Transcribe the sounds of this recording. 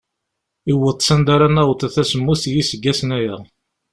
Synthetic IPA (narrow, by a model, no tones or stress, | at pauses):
iwət̪ˤːsænd̪aɾanæwt̪æθæsəmːuθjisəɡːæsnæjæ